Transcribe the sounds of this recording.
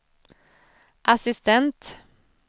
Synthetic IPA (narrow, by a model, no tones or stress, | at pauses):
ʔasɪst̪ɛnt̪